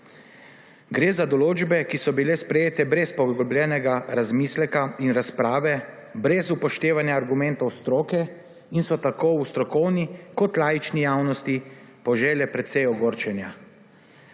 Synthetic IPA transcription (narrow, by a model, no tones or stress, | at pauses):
ɡɾeːzad̪ɔloːd͡ʒbɛkisɔbilɛspɾɛjeːt̪ɛbɾɛspɔɡɡɔbljɛːnɛɡaɾazmiːslɛkainɾaspɾaːʋɛ | bɾɛzupɔʃt̪eːʋanjaːɾɡumɛnt̪ɔwst̪ɾoːkɛ | insɔt̪akoust̪ɾɔkɔwnikɔt̪laːjit͡ʃnijaːwnɔst̪i | pɔʒɛːlɛpɾɛt̪sɛjɔɡoːɾt͡ʃɛnja